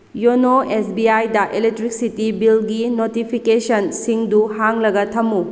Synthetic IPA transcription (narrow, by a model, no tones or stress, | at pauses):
jonoesbiajdɐʔelek̚tɾik̚sitibilɡinotipʰikesɐnsiŋduhaŋlɐɡɐtʰɐmːu